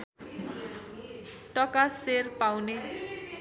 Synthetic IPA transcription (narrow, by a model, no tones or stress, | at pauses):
ʈʌkaserpawne